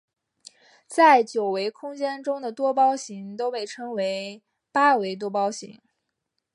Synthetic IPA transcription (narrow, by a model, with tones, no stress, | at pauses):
t͡sa˥˩ɪt͡ɕjo˨˩ʊwe˧˥ɪkʰʊ˥ŋt͡ɕjɛ˥nʈ͡ʂʊ˥ŋd̪ə˨t̪wɔ˥pɑ˥ʊɕi˧˥ŋt̪o˥ʊpe˥˩ɪʈ͡ʂʰɤ˥ŋwe˧˥ɪ | pa˥we˧˥ɪt̪̬wɔ˥pɑ˥ʊɕḭ˧˥ŋ